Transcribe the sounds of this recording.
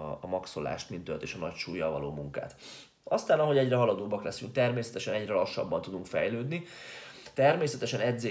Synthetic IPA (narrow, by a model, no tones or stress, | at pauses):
ɒmɒkso̞la̰ːʃt̪mint̪ølt̪eːʃɒnɒcʃuːjːɒlvɒloːmuŋka̰ːt̪ | ɒst̪aːnɒɦo̞ɟɛɟrɛɦɒlɒd̪oːbːɒklɛsyŋk̚t̪ɛrmeːsɛt̪ɛʃɛnɛɟrɛlɒʃːɒ̰bːɒnt̪ud̪uŋkfɛ̰jløːd̪ni | t̪ɛrmeːsɛt̪ɛʃɛnɛd̪zeː